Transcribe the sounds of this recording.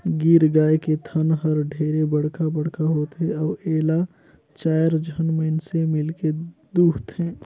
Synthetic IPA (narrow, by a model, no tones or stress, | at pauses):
ɡiːɾɡaːeket̪ʰənɦəɾɖʱeːɾebəɽ̤kabəɽkʰaɦoːt̪ɦɛ̃ɔːɾeːla | t͡ʃaːjɾd͡ʒʱənməɪnsemɪlked̪uːt̪ɦɛ̃ː